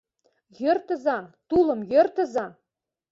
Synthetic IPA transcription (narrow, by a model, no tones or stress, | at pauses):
jørt̪ə̆zɑt̪ulɤ̆mjø̆rt̪ə̆zɑ